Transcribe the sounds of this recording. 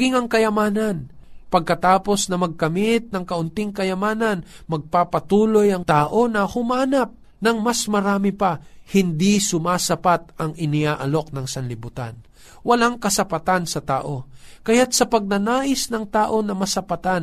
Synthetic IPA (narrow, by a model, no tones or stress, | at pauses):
ɡɪŋɐŋkɐjɐmaːnɐnpɐɡ̚kɐt̪aːpo̞snɐmɐɡ̚kɐmɪt̪̚nɐŋkɐʔʊnt̪ɪŋkɐjɐmaːnɐn | mɐɡ̚papɐt̪uːlo̞jɐŋt̪aːʔo̞nɐhʊmaːnɐp̚ | nɐŋmɐsmɐɾaːmɪpɐhɪnd̪isʊmaːsɐpat̪̚ɐŋʔɪnɪaːʔɐlo̞k̚nɐŋsɐnlɪbut̪a̰n | wɐlaŋkɐsɐpɐt̪ansɐt̪aːʔo̞kɐjat̪̚sɐpɐɡ̚nɐnaːʔɪsnɐŋt̪aːʔo̞nɐmɐsɐpɐat̪an